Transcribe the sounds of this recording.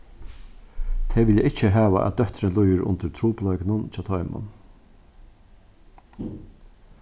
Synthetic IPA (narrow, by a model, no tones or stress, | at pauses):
t̪ʰɛːʋɪljəʔɪt͡ʃəɦæːʋa̰ʔæ̰d̪œht̪ɾɪnlujɪɾʊ̰nt̪ɪɾt̪ʰɾuːplɔʏknʊnt͡ʃʰaːt̪ʰɔjmʊ̰n